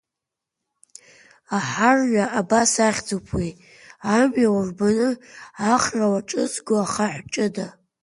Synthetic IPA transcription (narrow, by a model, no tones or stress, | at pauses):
aħarɥaʔabasaχʲd͡zopʰwij | amjawarbanɨaχrawaʈ͡ʂʼɨzɡʷoaχaħʷt͡ʃʼɨda